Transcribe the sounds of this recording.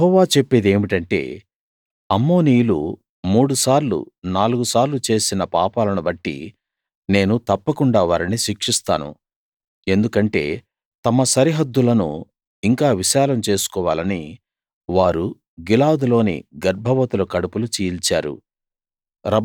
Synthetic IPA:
jɦɔːʋaːt͡ʃe̞pːeːd̪e̞ːmiʈɐɳʈe̞̰ː | ɐmːo̞ːniːjulṵ | muːɽusaːɾlṵnaːluɡusaːɾlut͡ʃe̞ːsinɐpaːpaːlɐnubɐʈːḭ | ne̞ːnut̪ɐpːɐkuɳɖaːʋaːɾɐniʃikʂist̪aːnṵ | e̞nd̪ukɐɳʈe̞̰ː | t̪ɐmɐsɐɾiɦɐd̪ːulɐnṵ | iŋkaːʋiʃaːlɐmt͡ʃe̞ːsu̥kɔːʋaːlɐni | ʋaːɾu | ɡilaːwd̪ulo̞ːnḭɡɐɾbʱɐʋɐt̪ulɐkɐɽupulut͡ʃiːjlt͡ʃa̰ːɾṵ | ɾɐ

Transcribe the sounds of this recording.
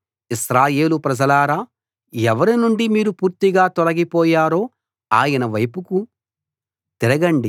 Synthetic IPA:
isɾaːje̞ːlupɾɐd͡ʒɐlaːɾaː | ɛʋɐɾinuɳɖimiːɾupuːɾt̪iɡaːt̪ɔlɐɡipɔːjaːɾo̞ː | aːjɐnɐʋɐjpuku | t̪iɾɐɡɐɳɖi

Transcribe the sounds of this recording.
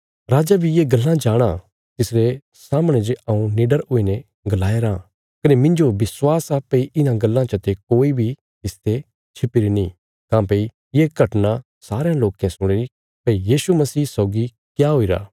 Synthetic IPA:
ɾaːd͡ʒabʱijeɡɐlːãd͡ʒaːɽ̃a | t̪ɪsɾe | saːmɽ̃ed͡ʒeɐũniːɖəɾɦoine | ɡɐlaːeɾã | kɐnemɪ̃nd͡ʒobɪswaːsaːpːeiʔɪnãɡɐlːãt͡ʃɐt̪ekoːibʱi | t̪ɪst̪ʰe | t͡ʃʰɪpiɾinĩ | kãːpei | jeɡʱɐʈna | saːɾejãloːkẽsʊɽ̃eɾi | pɐijiːsumɐsiːsɔːɡi | kjaɦoiɾa̰ː

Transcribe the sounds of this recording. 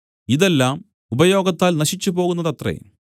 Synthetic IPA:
iðe̞lːaːm | ubɐjo̞ːɡɐt̪ːaːlnɐɕit͡ɕːupo̞ːɣunːɐðɐt̪rḛ

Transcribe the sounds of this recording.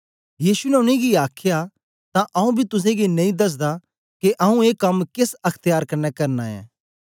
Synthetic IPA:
jiːsunɛʊnẽɡiaːkʰja | t̪ãʔɐũbʱit̪ʊs̬ẽɡinɐ̃ĩd̪ɐs̬d̪a | keʔɐũeːkɐmkɪsɐkʰt̪ɪjaːɾkɐɾnɛkɐɾnaɛ̰̃ː

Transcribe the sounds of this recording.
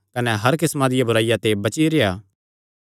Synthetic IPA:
kɐnɛɦɐɾkɪsmãd̪ɪjabʱʊɾaːijat̪ebɐt͡ʃiɾejaː

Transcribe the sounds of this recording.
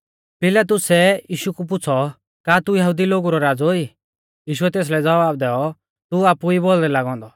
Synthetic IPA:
pɪlat̪̬ʊsɛjiːʃukup̬ʊt͡sʰɔ | kaːt̪ujɐɦud̪iloɡuɾɔɾaːd͡zoi | jiːʃ̬uɛt̪eːs̬lɛd͡zɐʋaːbd̪ɛːɔ | t̪uaːpuibold̪ɛlaːɡɔ̃ːnd̪ɔ

